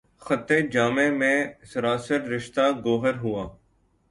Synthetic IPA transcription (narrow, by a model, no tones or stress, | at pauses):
xət̪eːd͡ʒaːmẽːmẽːsəɾaːsəɾɾɪʃt̪aːɡoːɦəɾɦʊaː